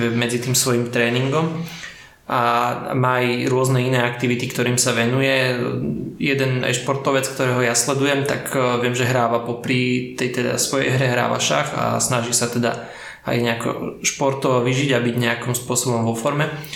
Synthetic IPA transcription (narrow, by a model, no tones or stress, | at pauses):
ɛmɛd͡zit̪iːmsʋɔjimt̪ɾɛːniŋɡɔm | ʔa̰maːjɾʊɔznɛinɛːak̚t̪iʋit̪ikt̪ɔɾiːmsaʋɛnujɛ | jɛd̪ɛna̰jʃpɔɾt̪ɔʋɛt͡sk̚t̪ɔɾɛːɦɔjaslɛd̪ujɛmt̪a̰kʋɪɛmʒɛɦɾaːʋapɔpɾit̪ɛjt̪ɛd̪a̰sʋɔjɛ̰jɦɾɛɦɾa̰ːʋa̰ʃa̰ɣa̰snaʒisat̪ɛd̪a̰ | a̰jɲɛakɔ̰ʃpɔɾt̪ɔʋɔːʋiʒiɟabiɟɲɛakimspʊɔsɔbɔmʋɔfɔɾmɛ